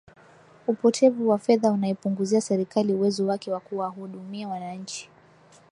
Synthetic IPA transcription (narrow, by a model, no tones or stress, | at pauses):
upɔtʰɛvuwafɛðaunaɛpuŋɡuziasɛɾikaliuwɛzɔwakɛwakuwaɦuɗumiawanaɲ̩t͡ʃi̥